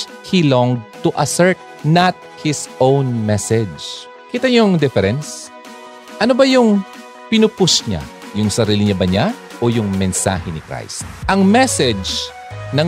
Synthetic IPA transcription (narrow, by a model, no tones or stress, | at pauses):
hilɔŋɡ̚t̪uʔɐsɛɹt̪̚ | nɐt̪̚hɪsʔõwnmɛsɛd͡ʒ | kɪt̪ɐɲʊŋd̪ɛfɛɾɛns | ʔɐnobɐjʊŋ | pɪnʊpʊsɲa̰ | jʊŋsɐɾiːlɪɲabɐɲa | ʔojʊŋmɛnsa̰ːhɛnɪkɾa̰jst̪ʔɐŋmɛsɛd͡ʒ | nɐ